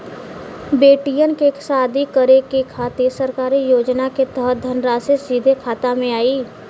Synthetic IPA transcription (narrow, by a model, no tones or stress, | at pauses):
beːʈijənkeksaːd̪ʱikəɾekekʰaːt̪eɾsəɾkaːɾijoːd͡ʒnaket̪əɦət̪̚d̪ʱənɾaːsesiːd̪ʱekʰaːt̪amẽaːiː